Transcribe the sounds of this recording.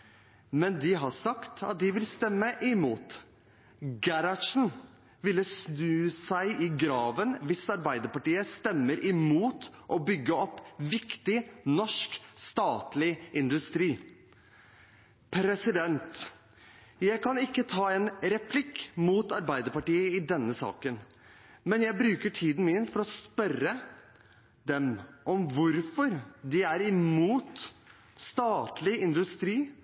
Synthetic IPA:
mɛnd̪ɪɦɑsɑkt̪ʰɑt̪̚d̪ɪʋɪlst̪ɛmːəʔɪmuːt̪ | ɡæɾɑʂn̩ | ʋɪlːəsnʉːsæɪʔɪɡɾɑːʋənʋɪsɑɾbæɪd̪əɾpɑʈiːəst̪ɛmːəɾʔɪmuːt̪ʔɔbʏɡːəɔpːʋɪkt̪ɪnɔʂkst̪ɑːt̪lɪʔɪnd̪ʉst̪ɾiː | pʰɾɛsɪd̪ɛnt̪ | jæɪkɑnɪkːət̪ʰɑːɛnɾɛpʰlɪkːmuːt̪ɑɾbæɪd̪əɾpɑʈiːəɪd̪ɛnːəsɑ̰ːkən | mɛnjæɪbɾʉːkəʈʰiːd̪n̩mɪnfɔɾɔspœrə | d̪ɛmʔɔmʋʊɾfɔɾd̪ɪæɾɪmuːt̪ | st̪ɑːt̪lɪɪnd̪ʉst̪ɾiː

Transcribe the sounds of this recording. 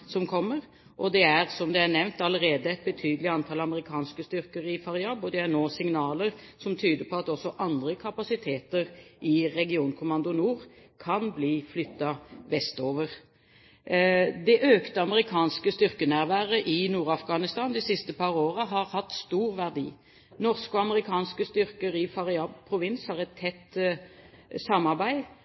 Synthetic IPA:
sɔmkʰɔmːəʁ | ʔɔd̪ɛæʁsɔmd̪ɛæʁnɛʋnt̪ɑləʁeːd̪əɛɪt̪̚bət̪ʰyːd̪əlɪɑnt̪ʰɑlɑməɾɪkʰɑːnskəst̪ʏʁkəɾɪfɑʁɪɑbɔd̪ɛænoːsɪŋnɑːləʁsɔmt̪ʰyːd̪əpʰɔɑt̪ɔsːɔʔɑnd̪ʁəkʰɑpɑsɪt̪ʰeːt̪əʁɪʁɛɡɪuːnkʰʊmɑnd̪ʊnuːʁ | kʰɑnbliːflʏt̪ːɑʋɛst̪oːʋəʁ | d̪ɛʔøːkt̪əɑməʁɪkʰɑːnskəst̪ʏʁkənæʁʋæːʁəʔɪnuːʁɑfɡɑːnɪst̪ɑːnd̪ɪsɪst̪əpʰɑːʁoːʁəɦɑʁhɑt̪ːst̪uːʁʋæʁd̪ḭː | nɔʁskʊɑməʁɪkʰɑːnskəst̪ʏʁkəʁɪfɑʁɪɑpʰɾʊʋɪnshɑʁɛt̪ʰːɛt̪ː | sɑmɑʁbæɪ

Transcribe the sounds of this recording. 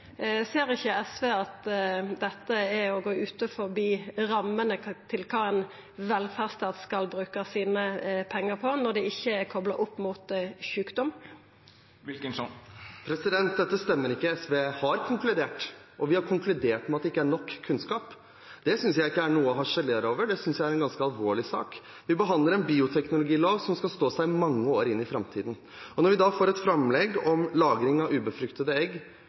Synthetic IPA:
seːɾɪçːəɛsʋeːɑt̪d̪ɛt̪ːəæɔɡoːʉːt̪əfɔɾbiːɾɑmːənət̪ʰɪlkʰɑːɛn | ʋɛlfæʁst̪ɑːt̪skɑlbɾʉːkɑsiːnəpʰɛŋːəʁpʰɔnɔɾd̪ɛɪçːəækʰɔblɑʔʊpːmuːt̪çʉːkd̪ɔm | pʰɾɛsɪd̪ɛnt̪̚d̪ɛt̪ːəst̪ɛmːəɾɪkːəɛsʋeːhɑɾkʰʊŋklʉd̪eːʈʔɔʋɪhɑɾkʰʊŋklʉd̪eːʈmɛɑt̪d̪ɛɪkːəæɳɔkʰːʉnskɑːp | d̪̥ɛsʏnsjæɪɪkːəæɳuːəɦɑʂɛleɾoːʋəɖɛsʏnsjæɪæɾɛnɡɑnskəɑlʋoːɭɪsɑ̰ːk | ʋɪbəɦɑnd̪ləɾɛnbiːʊt̪ʰɛknʊlʊɡiːloːʋsɔmskɑlst̪oːsæɪɪmɑŋːəoːɾɪnːɪfɾɑmt̪ʰḭːd̪n̩ | ɔnɔɾʋɪd̪ɑfoːɾɛt̪fɾɑmlɛɡɔmlɑːɡɾɪŋɑʉːbəfɾʉkt̪əd̪əɛɡ

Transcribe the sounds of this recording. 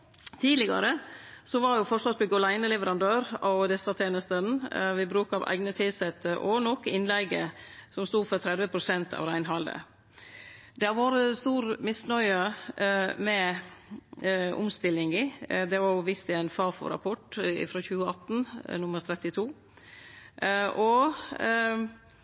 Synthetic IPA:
t̪ʰiːdlɪɡɑ̰ɾəsɔʋɑɾjʊfɔsɔsbɛɡɔlæɪnəlɛʋəɾɑnd̪øːɾɑd̪ɛsɑt̪ʰeːnəst̪ənʋɪbɾʉːkɑʋʔæ̰ɪɡnət̪ʰɪsɛt̪ːəɾʔɔnɔkːɪnlɛɡə̰sɔmst̪uːfɔɾt̪ʰɾɛd̪ʋəpʰɾʊsɛnt̪ʰɑ̰ːʋɾæɪnɦɑld̪ə̰ | d̪ɛɾʋoːɾəst̪uːɾmɪsnœʏə | mɛ | ʔʊ̰mst̪ɪlːɪŋɪd̪ɛʋɑɾjʊʋɪst̪ɪæɪnfɑːfɔ̰ɾɑ̰pʰɔʈɪ̰fɾɔçʉːəɑt̪ːnnʊməɾt̪ʰɾɛt̪ɪt̪ʰuː | ʔɔ

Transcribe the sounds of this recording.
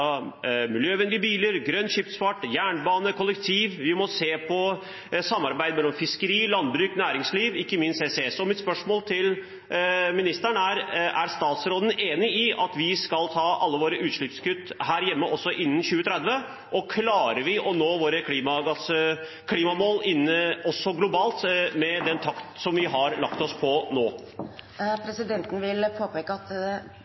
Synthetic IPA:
mɪljøːʋɛnd̪ɪəbiːləɾɡɾœnːɕʏpsfɑʈːjæːɳbɑːnəkʰɔlːəkt̪ʰiːʋʋɪmɔseːpʰɔ | sɑmːɑɾbæɪd̪mɛlːɔmfɪskəɾiːlɑnbɾʉːknæːɾɪŋsliːʋɪkːəmɪnst̪eseɛsɔmɪt̪spœʂmoːlt̪ʰɪl | mɪnɪst̪əɳæɾʔæ̰ɾst̪ɑːt̪sɾoːd̪ən̩eːnɪɪʔɑt̪ʋɪskɑlt̪ʰɑːʔɑlːəʋoːɾəʔʉːt̪ʂɭɪpskʉt̪ːhæːɾjɛmːəʔɔsːɔʔɪnːən̩çʉːət̪ʰɾɛd̪ʋə | ʔɔkʰlɑːɾəɾʋɪʔɔnoːʋoːɾəkʰliːmɑɡɑs | kʰliːmɑmoːlɪnːəɔsːɔɡlʊbɑːlt̪mɛd̪ɛnt̪ʰɑkt̪sɔmʋɪɦɑɾlɑkt̪ɔspʰɔnoː | pʰɾɛsɪd̪ɛnt̪n̩ʋɪlpʰoːpeːkəɑt̪

